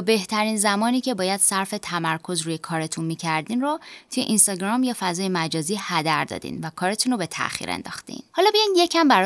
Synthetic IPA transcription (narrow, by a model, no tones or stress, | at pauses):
be̞ht̪ʰæɾiːnzæmɒːniːcʰe̞bɒːjæd̪̥sæɾfe̞t̪ʰæmæɾkʰo̞zɾuːje̞kʰɒːɾe̞t̪ʰunmiːcʰæɾd̪iːnɾot̪ʰujḛʔinst̪ɒɟɾɒːmjɒːfæzɒːjemæd͡ʒɒːziːhæd̪æɾd̪ɒ̰ːd̪ḭnvækʰɒːɾet̪ʰunɾobe̞t̪ʰæ̰ʔxḭːɾḛnd̪ɒ̰ːxt̪ḭnhɒːlɒːbejɒjnje̞cʰæmbæɾɒ